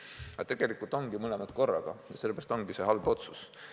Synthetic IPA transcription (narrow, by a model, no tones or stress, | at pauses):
ɑt̪e̞ɡ̥e̞likˑult̪ˑo̞ŋɡ̥imɤlemɑt̪ko̞rːɑɡ̥ɑ̰jɑselːe̥æɑst̪o̞ŋɡ̥ise̞ɦɑlbo̞t̪sus